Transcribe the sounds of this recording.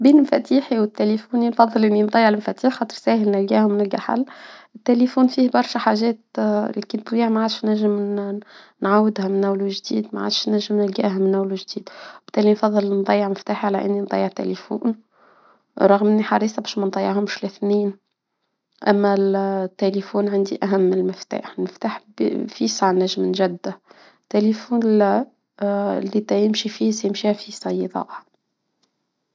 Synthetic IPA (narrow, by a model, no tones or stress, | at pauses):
biːnmfæt̪iːħiwɪt̪ːelifuːninfɑðˤːɨlʔɪnːind̪ˤɑjːɑʕlɪmfæt̪iːħxɑːt̪ˤəɾsæːhɪlnɪlɡæːhʊmːɪnɪlɡaħa̰lːʔɪt̪ːelifuːnfiːhbɑɾˤʃæħaʒɛːt̪likɪnt̪̚wiːʕmaʕaːd̪ʃnæʒːɪm | nʕawːɪd̪hæmɪnʔæwluʒd̪iːd̪maʕa̰ːd̪ʃnæʒːɪmnɪlɡæ̰ːɦæmɪnʔæwluwʒd̪iːd̪b̥ɪ̥t̪ːæːlinfɑðˤːɨlnd̪ˤɑjːəʕmɪft̪aːħiʕalæʔɪnːind̪ˤɑ̰jːəʕt̪æ̰lifṵːn | ɾˤɑɣmɪnːiħɑɾˤiːsˤɑbæːʃmænd̪ˤɑjːəʕɦʊmʃlɪθniːn | ʔæmːæt̪ːelifuːnʕand̪iʔæɦæmːɪlmɪft̪a̰ːħlmɪft̪aːħbfisaʕnæʒːɪmnʒæd̪ːæ | t̪ːelifuːn | lːit̪æjɪmʃifisɛjɪmʃiːhæfisɑjd̪ˤɑ̰ːʔhɑ